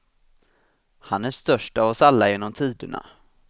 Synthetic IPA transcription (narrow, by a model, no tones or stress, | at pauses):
hanæʂt̪œʂʈaːvɔsalːajeːnːɔmt̪ʰiːd̪əɳa̰